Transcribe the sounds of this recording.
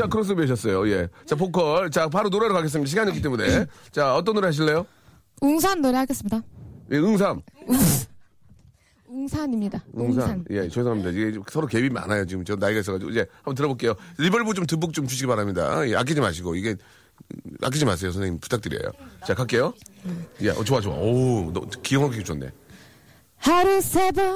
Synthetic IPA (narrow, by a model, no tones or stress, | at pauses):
t͡ɕakɯɾʌs̬ɯobeɕ̬ʰʌs͈ʌjoje̞t͡ɕap̬ʰokʰʌɭt͡ɕapaɾonoɾaɾokaɡes̬ɯmɲidaɕ̬ʰiɡaɲiʌk̬͈it͈emune̞t͡ɕaʌt̬͈ʌnːoɾehaɕ̬ʰilːe̞jo | uŋsʰanːoɾehaɡes͈ɯmɲidajeɯŋs̬ʰam | uŋsʰanimɲidaɯŋs̬ʰajet͡ɕʌesʰʌŋɦamɲidaiɡe̞osʰʌɾokebima̰najot͡ɕiɡɯmt͡ɕonaiɡais̬͈ʌɣad͡ʑiɡo̰id͡ʑe̞hambʌnt̬ɯɾʌbok͈e̞joɾibʌɭbut͡ɕomt̬ɯbuk̚t͡ɕ͈omt͡ɕuɕʰiɡipaɾamɲida̰ea̰k̬͈id͡ʑimaɕʰiɡoiɡe̞ | a̰k̬͈id͡ʑimas̬ʰe̞josʰʌneipu̥tʰak̚t͈ɯɾḭḛjo̰t͡ɕakak͈e̞jo | jḛʔʌ̰t͡ɕoat͡ɕoa̰on̰kijʌŋɦakeket͡ɕonːḛ | haɾusʰebu